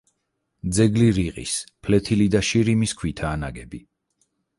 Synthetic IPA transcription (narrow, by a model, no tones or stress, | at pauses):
d̪zɛɡliɾiʁʼḭspʰlɛt̪ʰilid̪aʃiɾimiskʰwit̪ʰaːnaɡɛbi